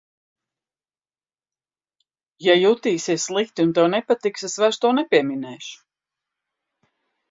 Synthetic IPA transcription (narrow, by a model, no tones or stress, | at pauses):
jajut̪iːsʲiɛssːlˠikt̪iunt̪ɛwnɛpat̪iksɛsvaɾst̪uɔnɛpiɛminɛːʃu̥